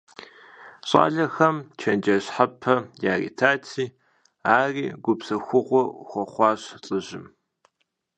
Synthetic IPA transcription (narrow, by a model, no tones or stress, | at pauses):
ɕʼa̰ːɮɐxɐmt͡ʃʰɐnd͡ʒɐɕħapʰɐjaːrḭːtʰaːtʰiː | aːriːɡʷʊpsɐxʷʊʁʷɔχʷɔχʷɑːɕt͡sʼɨʑɪm